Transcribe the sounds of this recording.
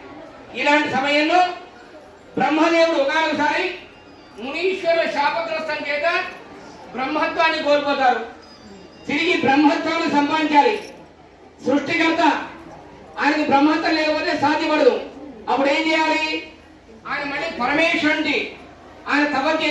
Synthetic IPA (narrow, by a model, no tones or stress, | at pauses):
ilaːɳʈisɐmɐjɐnloː | bɾɐmɦɐd̪eːwuɽuɔɡaːɾusaːɾi | muniːʂʋɐɾɐʃaːpɐɡ̪ɾɐsɐŋkɛːt̪ɐ | bɾɐmːɦɐt̪ʋaːnːikoːɾukɔːt̪aːɾu | t̪iɾiɡibɾɐmːɦɐt̪ʋaːnisɐmpaiɲt͡ʃaːli | sɾuʂʈikɐɾt̪ɐ | aːjnɐnibɾɐmɦɐt̪ʋɐleːkpɐːt̪esaːd̪ʱjɐpɐɽɐluɐpːuɽe̞ːmt͡ʃɛːjaːli | aːjɐnɐmɐɭːiːpɐɾɐmɛːʂɐɳʈi | aːjnɐt̪ɐbɐɡ̪e